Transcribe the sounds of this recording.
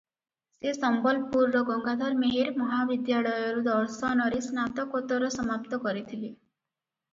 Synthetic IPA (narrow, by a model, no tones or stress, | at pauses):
sesɔmbɔlpuɾːɔɡɔŋɡad̪ʱɔɾmeɦiɾmɔɦabid̪jaɭɔjɔɾud̪ɔɾsɔnɔɾisnat̪ɔkot̪ɔɾɔsɔmapt̪ɔkɔɾit̪ʰili